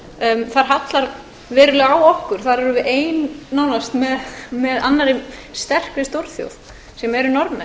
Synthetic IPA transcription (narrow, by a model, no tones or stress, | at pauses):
mθaɾ̥ɦat̪laɾ | vɛːɾʏlʏawɔhkʏɾ̥θaɾɛɾʏvɪʔeːjnːaːwnast̪mɛðmɛðanːaɾɪst̪ɛr̥kɪst̪owɾ̥θjo̰wð | sɛmɛɾʏnɔɾmɛ